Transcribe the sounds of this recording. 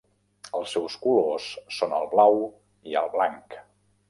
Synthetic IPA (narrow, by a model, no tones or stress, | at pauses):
əlˠsːɛwskulosːonə̰lˠβlaw | iə̰lˠβlaŋk